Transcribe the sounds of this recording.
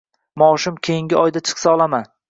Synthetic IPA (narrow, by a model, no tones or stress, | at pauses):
mɒːʃɪmkʲʰejɪŋɡʲɪʔɒjd̪at͡ʃʰɨ̥qsaɒlˠaman